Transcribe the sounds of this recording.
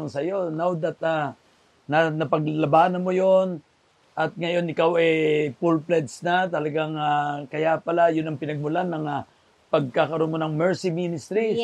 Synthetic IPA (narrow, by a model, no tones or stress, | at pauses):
ŋsɐjo̞nawd̪ɐt̪̚a | nɐnɐpɐɡ̚lɐbaːnɐmo̞jon | ʔɐt̪̚ŋɐjo̞nɪkawɛpulplɛt̪snat̪ɐlɐɡaŋakɐjapɐlajʊnɐŋpɪnɐɡ̚mʊlanːɐŋa | pɐɡ̚kakɐɾonmonɐŋmɛɹsiminɪst̪ɾi